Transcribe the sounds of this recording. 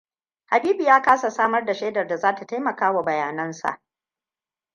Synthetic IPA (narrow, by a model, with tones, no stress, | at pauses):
ha˨biː˦bi˨jaː˦kaː˦sa˨saː˦mɐ˦rda˨ʃeː˦dɐ˨rda˨zaː˦ta˨ta˦jmɐ˨kaː˦wa˨bɐ˨jaː˨nɐ˦nsa̰˨ʔ